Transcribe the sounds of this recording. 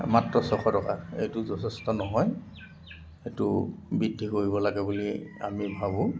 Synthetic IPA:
matɹɔsɔxʰɔtɔka̰ḛjtuzɔtʰɛstɔnɔɦɔj | etʊbidʱːikoɹibɔlaɡɛbulia̰mibʱabʊ̃

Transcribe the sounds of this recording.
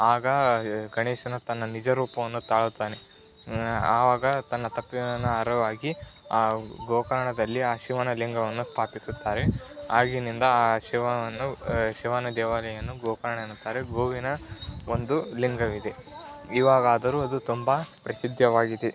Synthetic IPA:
aːɡɐɡɐɳeːʃɐnɐt̪ɐnːɐnid͡ʒɐɾuːpɐʋɐnːut̪aːɭut̪ːaːne̞ | aːʋaːɡɐt̪ɐnːɐt̪ɐpːiɐnːɐɐɾɐʋaːɡiaːɡoːkɐɾɐɳɐd̪ɐlːiaːʃiʋɐnɐliŋɡɐʋɐnːust̪ʰaːpisut̪ːaːɾe̞aːɡinind̪ɐaːʃiʋɐʋɐnːuʃiʋɐnɐd̪ɛːʋaːlɐjɐnːuɡɔːkɐɾɐɳɐeːnut̪ːaːɾeɡoːʋinɐond̪uliŋɡɐʋid̪e̞iʋaːɡaːd̪ɐɾuːɐd̪ut̪umbɐpɾɐsid̪ʱjɐʋaːɡid̪e

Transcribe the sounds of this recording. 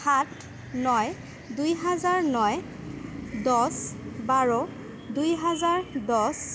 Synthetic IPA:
hat | nɔj | dujɦazaɹnɔj | dɔsbaɹɔ | dujɦazaɹdɔs

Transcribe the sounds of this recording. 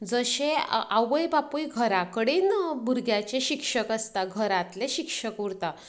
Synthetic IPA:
d͡zəɕẽaʋəjbapujɡʱəɾakəɽiːnbʱuɾɡʱjat͡ɕeɕikʂəkəst̪aɡʱəɾãt̪leɕikʂəkuɾt̪a

